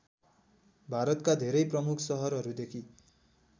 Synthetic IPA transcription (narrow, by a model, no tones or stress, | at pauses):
bʱaɾʌt̪kad̪ʱeɾʌjprʌmukʰsʌɦʌɾʌɾud̪ekʰi